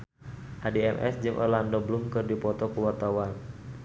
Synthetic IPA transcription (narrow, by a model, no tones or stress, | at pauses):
ʔadiɛmʔɛ̰sd͡ʒɨŋʔɔ̰rlandɔblumkɨrdipɔt̪ɔkuwɔrt̪awan